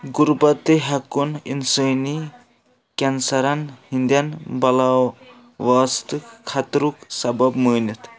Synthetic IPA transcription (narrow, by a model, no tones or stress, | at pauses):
ɡuɾbɐt̪ɨɦɐkunḭnsəːni | kʲɐnsɐɾɐnhind̪jɐnbɐla | ʋaːst̪ɨkkʰːɐt̪ɾuksɐbɐbməːnɐt̪ʰ